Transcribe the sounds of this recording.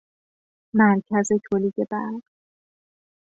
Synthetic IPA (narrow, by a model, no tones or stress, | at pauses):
mæɾcʰæzet̪ʰoliːd̪e̞bæɾɢ